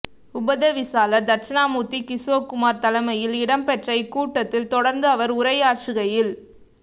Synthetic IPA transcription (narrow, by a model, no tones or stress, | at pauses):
ʊbɐðɐʋɪsaːlɐɾd̪ɐɾt͡ʃɐnaːmuːt̪ːikɪsoːkʊmaːɾt̪ɐlɐmɐjɪlɪɽɐmpɛʈrɐɪkːuːʈːɐt̪ːɪlt̪ɔɽɐɾnd̪ɯɐʋɐɾʊɾɐɪaːʈt͡ʃɯɣɐjɪl